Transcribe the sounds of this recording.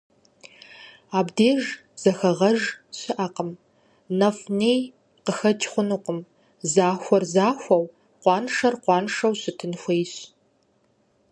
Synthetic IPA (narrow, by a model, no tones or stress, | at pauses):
aːbdeːʒ | z̥ɐxɐʁɐʒɕɨʔɐqəm | nɐfnej | qəxɐtʰχʷʊnuːqəm | zaːxʷɐrzaːxʷɐw | qʷɑːnʂɐrqʷɑːnʂɐwɕɨtʰɨnxʷejɕ